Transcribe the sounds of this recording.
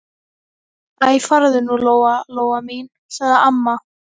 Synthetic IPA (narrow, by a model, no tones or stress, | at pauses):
ajfaɾðʏnuloːwaloːwamin | saɣðɪamːa